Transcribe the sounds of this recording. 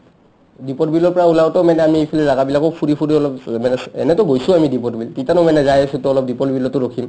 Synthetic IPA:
dipɔtbilɔɹpɔɹaulawtɔmanɛamiepʰilɛɹaɡabilakɔpʰuɹipʰuɹiɔlɔpmanɛɛ̰nɛtɔɡojsʊ̃amidip̬ɔtbilpitanɔmanɛzajasutʊɔlɔp̚dipɔtbilɔtʊɹokʰim

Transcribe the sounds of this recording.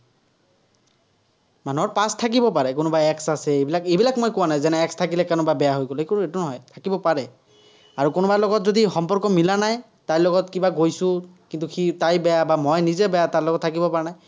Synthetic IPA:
manuɔɹpastʰak̬ibɔpaɹɛkʊnɔbaɛksasɛebilakejbilakmojkʊwanajzɛnɛɛkstʰakilɛkanɔbabɛjaɦojɡɔlkuetunɔɦɔjtʰakibɔpaɹɛ | aɹukonɔbalɔɡɔtzodixɔmpɔɹkɔmilanaj | tajlɔɡɔtkibaɡojsʊ̃kintuxʰitajbɛjabamɔjnizɛbɛjataɹlɔɡɔtʰakibɔpaɹɛnaj

